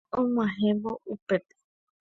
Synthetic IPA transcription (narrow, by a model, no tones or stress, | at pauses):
õŋ̃ãɦẽboupet̪e̥